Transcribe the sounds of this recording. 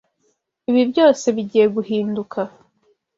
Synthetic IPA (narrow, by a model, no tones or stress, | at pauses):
iβibjo̞ːse̞βiɟiːje̞ɡuhiːndukʰa